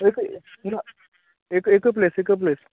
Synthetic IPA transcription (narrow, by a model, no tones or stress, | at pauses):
ek | na | ekekəp̬lesekəp̬les